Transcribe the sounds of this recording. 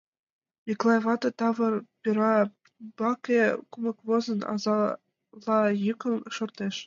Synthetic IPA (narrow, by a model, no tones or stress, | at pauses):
mʲiklˠɑjvɑt̪ŏt̪ɑvɤ̆rpʲiɾɑ | bɑkʲekumɤ̆kvozɤ̆nɑ̰zɑ | lˠːɑjɯkɤ̆nʃŏrt̪eʃ